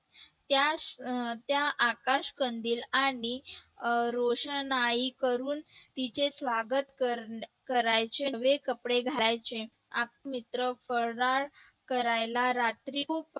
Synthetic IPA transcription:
t̪ja | t̪jaʔakaɕkənd̪iːlaɽ̃i | ɾoʂənaikəɾuːnt̪it͡sesʋaɡət̪kəkəɾajt͡ɕeʋekəpɽeɡʱalajt͡se | ak̚mit̪ɾəfəɾɽaɭ | kəɾajlaɾat̪ɾip

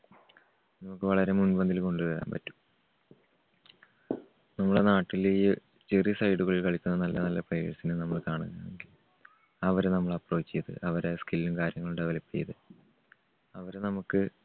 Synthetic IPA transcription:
nɐmukːɨʋɐɭɐɾe̞munbɐnd̪ilko̞ɳɖɨʋɐɾa̰ːmpɐtːu̥m | nɐmːɐɭenaːʈːile | t͡ɕerisɐjɽuɣɐɭilkɐɭikʲːunːɐnɐlːɐnɐlːɐprɐjʂɐsinɨnɐmːɐɭkaːɳuɣɐmeŋɡil | ɐʋɐɾenɐmːɐɭɐpro̞ːt͡ɕːijɐðɨ̰ʔɐʋɐɾaskilːumkaːɾjɐŋːɐɭuɽeʋɐlɐpːijɐðɨ | ɐʋɐɾnɐmukːɨ

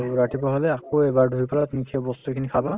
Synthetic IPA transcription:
ɹatipɹɔɦalɛakoebaɹdʱujpalat̪nikʰiɔbɔst̪ukʰinikʰaba

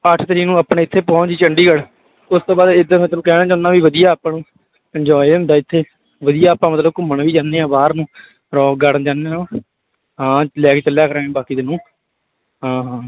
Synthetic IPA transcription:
əʈʰt̪ɾiːnũːaːpɳeːɪt̪ʰːeːpɔ̃ːt͡ʃiːt͡ʃəɳɖiːɡəɽ | ʊst̪õːbaːd̪ɪd̪əmət̪ləukɛːnãːd͡ʒãːnãːʋiːʋəd̪ijaːpãːnũː | ɛɲd͡ʒɔːnd̪aːɪt̪ʰːeː | ʋəd̪ijaːpãːmət̪ləb̚kʊmːəɳʋiːd͡ʒaːnːeːãːbaːɾnũː | ɾɔːkɡaɽnd͡ʒãːnːeːõː | ɦãːlɛːkeːt͡ʃəljaːkəɾãːbaːkiːd̪ɪnːũː | ɦãːɦãː

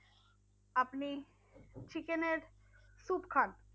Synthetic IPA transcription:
apni | t͡ɕʰikeneɾ | supkʰan

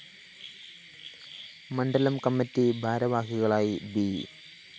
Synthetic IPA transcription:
mɐɳɖɐlɐmkɐmːɐtːibʱaːɾɐʋaːɦuɣɐɭaːjibi

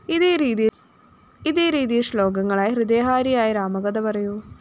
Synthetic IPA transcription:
iðiiː | iðiːɾiːd̪ijɐʂlo̞ːɡɐŋːɐɭaːjɐhɾɨd̪eːɦaːɾijaːjiɾaːmɐɡɐd̪ɐʋɐɾɐju

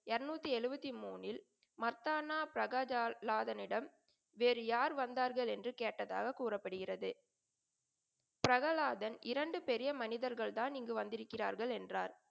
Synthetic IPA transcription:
ɛɾnuːt̪ːiɛɻɯbɐt̪ːimuːnɪl | mɐɾt̪aːnaːpɪɾɐɣaːlaːðɐnɪɽɐm | ʋeːɾɯjaːɾʋɐnd̪aːɾɣɐɭɛndrɯkeːʈːɐða̰ːɣɐkːuːrɐpːɐɽɯɣɪrɐðɯ | pɪɾɐɣɐlaːðɐnʔɪɾɐɳɖɯpɛɾɪjɐmɐnɪðɐɾɣɐɭt̪aːnɪŋɡɯʋɐnd̪ɪɾɯkːɪra̰ːɾɣɐɭɛndraːɾ

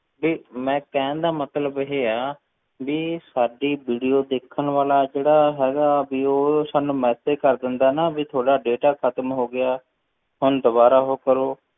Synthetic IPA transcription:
biːmɛ̃ːkɛ̃ːnd̪aːmət̪ləbɪɦeːaː | biːsaːɖiːbiːɖijoːd̪eːkʰːənʋaːlaːd͡ʒeːɽaːɦɛːɡaːbiːoːsaːnũːmɛːsed͡ʒkəɾd̪ɪnd̪aːnabiːt̪ʰoːɽaːɖeːʈaːkʰət̪mɦoːɡɪjaː | ɦʊnd̪ʊbaːɾaːɦoːkəɾoː

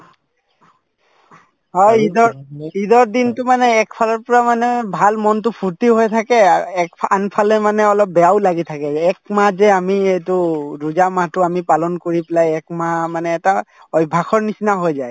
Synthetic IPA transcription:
ɦɔjidɔɹidɔɹdintʊmanɛːkpʰalɔɹpɔɹamanɛbʱalmɔntʊpʰuɹtiɦojtʰakɛkʰanpʰalɛmanɛɔlɔp̚bɛjaʊlaɡitʰakɛɛkmazɛamiɛjtʊɹuzamatʊamipalɔnkoɹipɛlajɛkmamanɛːta | ɔjbʱaxɔɹnisinaɦojzaj

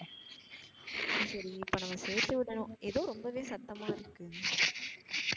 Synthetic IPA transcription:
sɐɾiɪpːɐnɐmɐseːɾt̪ːɯʋɪɽɐnʊ̃ɛðoːɾɔmbɐʋeːsɐt̪ːɐmaːɪɾɯkːɯ

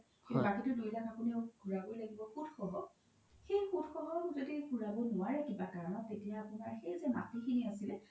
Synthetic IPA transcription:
xebakitʊdujlakapʊniɔɡʱuɹabojlaɡibɔxutxɔɦɔ | xejxutxɔɦɔkzodikuɹabɔnʊwaɹɛkibakaɹɔnɔtːetijaːpʊnaɹxejzɛma̰tixiniasilɛ

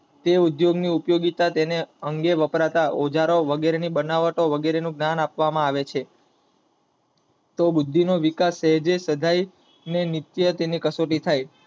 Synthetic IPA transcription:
t̪eud̪joɡniupjoɡit̪at̪eneəŋɡeʋəpɾat̪aʔod͡ʒaɾoʋəɡeɾenibənaʋəʈoʋəɡeɾenũɡnanapʋamãaʋet͡ʃʰe | t̪obud̪ʱːinoʋikasɛɦd͡ʒesəd̪ʱaj | nenit̪jət̪enikəsoʈit̪ʰaj

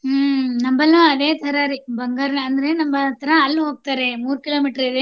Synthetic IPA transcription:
nɐmbɐlːɐɐd̪e̞ːt̪ʰɐɾɐɾibʱɐŋɡaːɾɐɐnd̪ɐɾe̞nɐmbɐt̪ʰɐɾɐːlːɦoːɡ̚t̪aːɾe̞muːɾkiloːmiːʈɐɾid̪e

